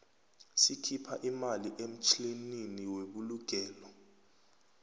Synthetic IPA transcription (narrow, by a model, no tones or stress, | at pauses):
sikʰipʰaʔimaliʔem̩t͡ʃʰʼlininiweɓuluɡ̥ʱɛːlɔ